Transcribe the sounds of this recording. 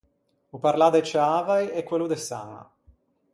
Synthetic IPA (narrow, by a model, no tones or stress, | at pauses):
uparlad̪et͡ʃeaːvajɛkwelːud̪ɛsːa̰ŋa̰